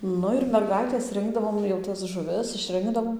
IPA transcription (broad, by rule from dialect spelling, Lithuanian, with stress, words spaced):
ˈnʊ ɪr mʲɛrˈɡɐɪtʲeːs ˈrʲɪŋɡdɐʋoːm jɛʊ ˈtɐs ʒʊˈʋʲɪs ɪʃʲˈrʲɪŋɡdɐʋoːm